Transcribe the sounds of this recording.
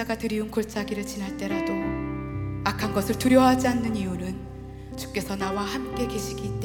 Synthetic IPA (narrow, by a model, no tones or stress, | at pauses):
aɡatɯɾiunkoɭt͡ɕ͈aɡiɾɯɭt͡ɕinɦaɭt͈e̞ɾado | akʰanɡʌsʰɯɭtuɾjʌɦad͡ʑianːɯniunɯn | t͡ɕu̥k̚k͈e̞sʰʌnawahamk͈e̞ke̞ɕʰiɡiːt͈̚e